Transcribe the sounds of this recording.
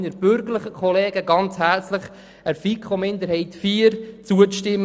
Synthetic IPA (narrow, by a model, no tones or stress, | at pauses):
nəɾb̥ʏɾɡələχəkʰχɔleːɡəɡɑnt͡shæɾt͡sləχ | əɾfikʰomɪnd̪əɾhɛɪtfiːəɾt͡suəʃtɪmː